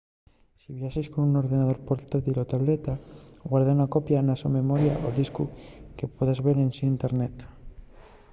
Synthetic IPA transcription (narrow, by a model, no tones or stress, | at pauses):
siβjaʃeskonuno̞ɾðenað̞o̞ɾpoɾt̪at̪ilot̪aβlet̪aɣwaɾðaunakopjanasome̞moɾja̰ʔoðiskuke̞poðazβeɾensiːnt̪eɾnet̪